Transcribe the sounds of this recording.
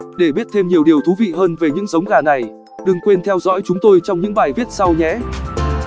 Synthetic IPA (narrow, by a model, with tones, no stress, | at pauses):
ɗe˧˩ɓi˦˥ət̚t̪ʰe˧mɲi˨˩əwɗi˨˩əwt̪ʰu˨˦vḭ˧˨ɦəː˧nve˨˩ɲɨ̰˧˥ŋzə˨˦wŋ͡mɣaː˨˩na˨˩j | ɗɨ˨˩ŋkwe˧nt̪ʰɛ˧wzɔ̰˧˥jt͡ɕʊ˨˦ŋ͡mt̪o˧jt͡ɕɔ˧wŋ͡mɲɨ̰˧˥ŋɓaː˨˩jvi˦˥ət̚sa˧wɲɛ̰˧˥